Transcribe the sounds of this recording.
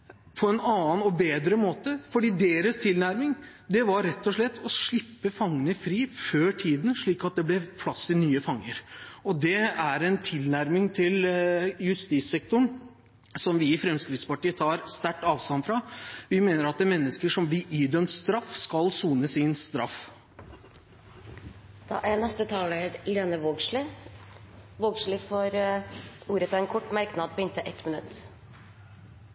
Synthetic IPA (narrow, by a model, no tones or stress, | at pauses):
pʰɔɛnɑːənɔbeːd̪ɾəmoːt̪əfɔɖiːd̪eːɾəst̪ʰɪlnæɾmɪŋ | d̪ɛʋɑɾɛt̪ːɔʂɭɛt̪ːɔʂɭɪpːəfɑŋːənəfɾiːføːʈʰiːd̪n̩ʂɭiːkɑt̪̚d̪ɛblɛpʰlɑsɪnyːəfɑŋːəɾɔd̪ɛæɾɛnt̪ʰɪlnæɾmɪŋt̪ʰɪljʉst̪iːsɛk̚t̪ʊɳ | sɔmʋɪːfɾɛmskɾɪt̪spɑʈiːət̪ʰɑːɾst̪æʈːɑːʋst̪ɑnfɾɑʋɪmeːnəɾɑt̪mɛnːəskəʂɔmblɪɾiːd̪œmt̪st̪ɾɑfːskɑlsuːnəsɪnst̪ɾɑ̰f | d̪̥ɑ̰ːʔænɛst̪ət̪ʰɑːləɾleːnəʋoːɡlɪ | ʋoːɡʂɭɪfɔɾ | uːɾət̪ʰɑɛnkʰɔʈːmæɾknɑd̪̚pʰɔɪnt̪əʔɛt̪mənʉt̪ː